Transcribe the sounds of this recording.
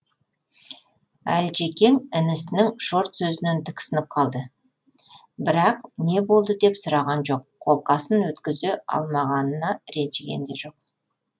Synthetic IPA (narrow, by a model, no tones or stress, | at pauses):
æ̰lʒe̞kʲe̞ŋɪnɪsɪnɪŋʃo̞ɾt̪sɵzɪnɪnt̪ʰə̥ksənəp̚qʰɑlˠd̪ə | bɪɾɑq̚ne̞bo̞lˠd̪əd̪e̞psʊɾɑʁɑnʒo̞q̚ʰːo̞lˠqɑsənwɵt̪kʲɪzeɑ̰lˠmɑʁɑnənɑɾe̞nʒeɡʲe̞̰nd̪eʒo̞q̚